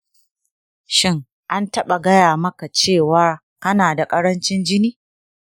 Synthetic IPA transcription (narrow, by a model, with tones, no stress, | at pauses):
ʃɪ˦ŋ | ʔa˦ntɐ˦ɓa˨ɡɐ˦jaː˨mɐ˦ka˨t͡ʃeː˦˨wa˦ | kɐ˦naː˨da˨kʼɐ˦ɽɐ˦nt͡ʃɪ˦nd͡ʒɪ˦niː˦